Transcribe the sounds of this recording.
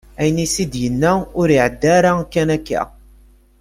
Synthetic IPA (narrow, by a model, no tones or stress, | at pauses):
æjənisid̪jənːæʊɾiʕəd̪ːæɾakːænækːæ̰